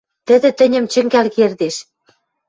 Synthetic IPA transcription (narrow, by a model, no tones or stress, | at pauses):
t̪ə̆d̪ɘ̆t̪ɘ̆nʲɘ̆mt͡ɕɘ̆ŋɡælkerd̪eʃ